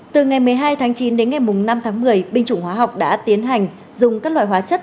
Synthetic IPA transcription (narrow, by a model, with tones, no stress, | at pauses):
t̪ɨ˨˩ŋa˨˩jmɨ˨˩əjɦaː˧jt̪ʰaː˨˦ŋt͡ɕi˨˦nɗe˨˦nŋa˨˩jmʊ˨˩ŋ͡mna˧mt̪ʰaː˨˦ŋmɨ˨˩əjɓï˧ŋ̟t͡ɕʊ̰˧˩ŋ͡mhwaː˨˦ɦa˨˩wk͡p̚ɗa̰ː˧˥t̪i˨˦ənɦa˨˩jŋ̟ | zʊ˨˩ŋ͡mkaː˦˥k̚lwa̰ː˧˨˩jɦwaː˨˦t͡ɕə˦˥t̚